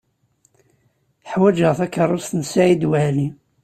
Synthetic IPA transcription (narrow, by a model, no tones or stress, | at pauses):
ħwæd͡ʒəʁθækːərˤːʊst̪nsʕid̪wæli